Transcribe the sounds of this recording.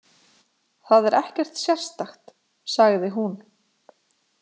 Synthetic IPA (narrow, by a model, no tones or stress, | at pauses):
θaðɛɾɛhcɛr̥t̪sjɛr̥st̪axt̪ | saɣðɪɦun